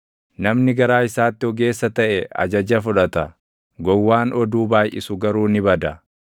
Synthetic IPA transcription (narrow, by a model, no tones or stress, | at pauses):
nɐmnɪɡɐɾaːɪsaːt̪ːɪɔɡe̞ːsːɐt̪ɐʔɛɐ̰d͡ʒɐd͡ʒɐfʊᶑɐt̪ɐ | ɡɔwːaːnʔɔd̪uːbaːjʔɪ̰sʊɡɐɾuːnɪbɐd̪ɐ